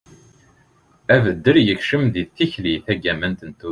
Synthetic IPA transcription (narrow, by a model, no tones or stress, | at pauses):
ævəd̪ːəɾjəçʃəmðiθːiçliθæɡæmænt̪ənt̪u